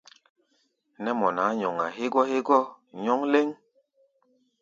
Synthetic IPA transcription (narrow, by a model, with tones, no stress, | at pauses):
nɛ˦mɔ˨na˨˦ɲɔ˨ŋa˨ɦe˦ɡɔ˦he˦ɡɔ˦ | ɲɔ˦ŋle˦ŋ